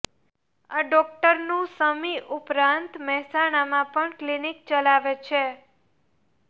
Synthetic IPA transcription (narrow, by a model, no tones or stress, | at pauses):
aɖɔk̚ʈəɾnũsəmiʔupɾãnt̪mɛɦsanamãpəɳklinik̚t͡ʃəlaʋet͡ʃʰe